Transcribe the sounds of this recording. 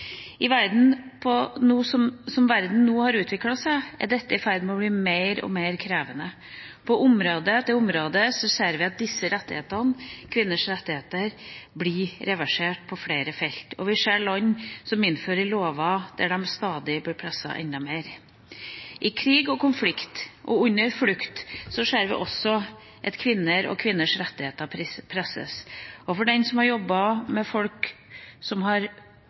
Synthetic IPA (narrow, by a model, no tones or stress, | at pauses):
ɪʋæɾd̪n̩pʰɔnuːsɔmsɔmʋæɾd̪n̩nuːhɑɾʉːt̪ʰʋɪklɑsææ̰ɖɛt̪ːəɪfæɾd̪nmɛɔbliːmeɪɾɔ̰meɪɾkʰɾeːʋənə | pʰɔʔʊmɾoːd̪əd̪ɛʊmɾoːd̪əsɔseːɾʋɪɑt̪̚d̪ɪsːəɾɛt̪ːɪhḛːt̪ɑnkʰʋɪnːəʂɾɛt̪ːɪheːt̪əɾblɪɾɛʋæʂeːʈ̚pʰɔfɽeːɾəfɛlt̪ɔ̰ʋɪʂeːɭɔɲːsɔmɪnføːɾəɾloːʋɑd̪̥æ̰ɖɛmst̪ɑːd̪ɪblɪpʰɾɛsɑ̰ʔɛ̰nd̪ɑmeːɾ | ʔɪkʰɾiːɡɔkʊmflɪkt̪ʔɔʉnːəɾflʉkt̪sɔʂæːɾʋɪ̰ʔɔsɔ | ʔɛt̪kʰʋɪnːəɾɔ̰kʰʋɪnːəʂɾɛt̪ːɪheːt̪əpʰɪpʰɾɛsə̰sɔfɔɖɛnsɔmhɑɾjɔbːɑmɛfɔlk | sɔmɦɑɾ